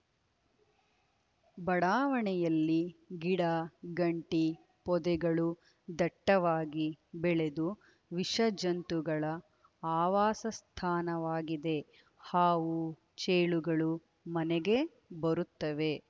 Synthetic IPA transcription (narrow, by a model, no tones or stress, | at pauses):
bɐɽaːʋɐɳɛjɐlːiɡiɽɐɡɐɳʈi | pɔd̪ɛɡɐɭu | d̪ɐʈːɐʋaːɡibɛɭe̞d̪u | ʋiʂɐd͡ʒɐnt̪uɡɐɭɐ | aːʋaːsɐst̪ʰaːnɐʋaːɡid̪e̞ | haːʋu | t͡ʃeːɭuɡɐɭu | mɐnɛɡe̞ | bɐɾut̪ːɐʋe